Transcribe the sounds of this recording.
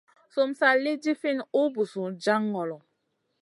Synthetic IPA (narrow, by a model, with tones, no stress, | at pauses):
so˨msa˦li˦d͡ʒi˦fi˦˨nu˦bu˨su˨d͡ʒa˦ŋːɔ˨lɔ˨